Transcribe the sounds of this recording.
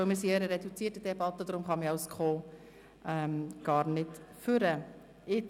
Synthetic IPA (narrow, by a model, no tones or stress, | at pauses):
omisiəɾəɾɛdut͡siːtid̥ɛbɑt̪ːədɾʊmχɑmiɑʊskʰχoː | ʔɛmɡ̥ɑːɾnɪtfyɾə | ɪ